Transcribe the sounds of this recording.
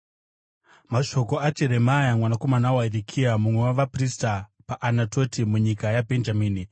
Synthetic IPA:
maʃo̞ko̞at͡ʃeɾe̞majamwanako̞manawaiɾikʰiamumwewaʋapristapaʔːnato̞timuɲikajabʱe̞nd͡ʒamiːni

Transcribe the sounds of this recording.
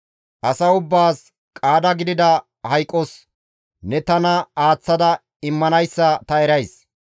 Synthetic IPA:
ʔɐsɐʊbːaːs | kʼaːd̪ɐɡɪd̪ɪd̪ɐ | hɐjkʼːɔs | nɛt̪ɐnɐaːt͡sːɐd̪ɐ | ɪmːɐnɐjsːɐt̪ɐɛɾɐjs

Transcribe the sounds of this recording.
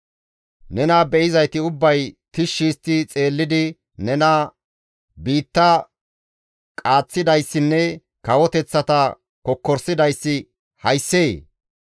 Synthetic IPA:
nɛnɐbɛʔɪzɐjt̪ɪʊbːɐjt̪ɪʃːiːst̪ːɪt͡sʼe̞ːlːɪd̪ɪ | nɛnɐ | biːt̪ːɐ | kʼaːt͡sːɪd̪ɐjsːɪnːɛ | kɐwɔt̪ɛt͡sːɐt̪ɐ | kɔkːɔɾsɪd̪ɐjsːɪ | hɐjsːeː

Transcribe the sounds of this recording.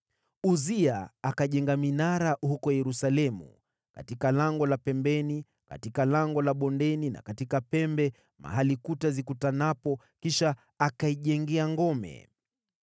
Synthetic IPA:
uziaakaʄɛŋɡaminaɾahukɔjɛɾusalɛmṵ | ka̰tikalaŋɡɔlapɛmbɛni | ka̰tikalaŋɡɔlaɓɔndɛnina̰katikapɛmbɛ | ma̰ɦalikutazikutanapɔ | kiʃaː | kaiʄɛŋɡɛaŋɡɔmɛ̰

